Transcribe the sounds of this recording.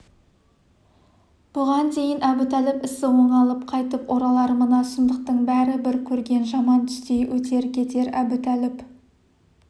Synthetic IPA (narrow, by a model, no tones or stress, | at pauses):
b̥ʊʁɑnd̪e̞jɪnæbʊt̪ælɪpɪsɪwoɴɑlˠəp̚qʰɑjt̪əpʔoɾɑlˠɑɾəmənɑsʊnd̪əq̚t̪əɴbæɾɪbɪɾkʲʰɵɾɡʲe̞nʒɑmɑnt̪ʰʏ̥st̪e̞jwʔɵt̪e̞ɾɪkʲʰe̞t̪e̞ɾæbɪt̪ʰælɪp